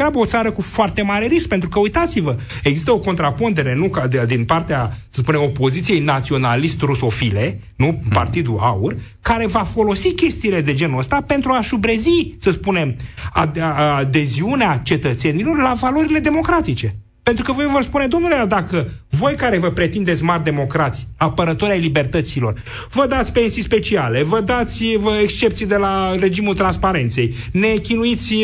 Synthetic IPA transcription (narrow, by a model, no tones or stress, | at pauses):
ɾabəot̪saɾəkufoart̪e̞maɾe̞ɾisk̚pe̞nt̪ɾukəujt̪at̪sivə | e̞ɡzist̪əo̞ko̞nt̪ɾapund̪e̞ɾe̞nukad̪d̪inpart̪easəspune̞mo̞po̞zit̪sie̞jnat̪sio̞nalist̪ruso̞file̞ | nupa̰rt̪id̪uaur | kaɾe̞vafo̞lo̞sikʲe̞st̪iːle̞d̪e̞d͡ʒe̞nuəst̪ape̞nt̪ɾuaʃubɾe̞zisəspune̞ma̰ad̪e̞ziuneat͡ʃe̞t̪ət̪se̞nilo̞rlavalo̞ɾile̞d̪e̞mo̞kɾat̪it͡ʃe̞ | pent̪ɾukəvojevorspune̞d̪o̞mnulejad̪akəvo̞jkaɾe̞vəpɾe̞t̪ind̪e̞t̪sʲmard̪e̞mo̞kɾat̪sʲapəɾət̪o̞ɾʲajlibe̞rt̪ət̪silo̞r | vəd̪at̪sʲpe̞nsijspe̞t͡ʃiale̞vəd̪at̪sʲvəekst͡ʃe̞pt̪sijd̪e̞lare̞d͡ʒimult̪ɾanspaɾe̞nt̪se̞j | ne̞kʲinuit̪sʲ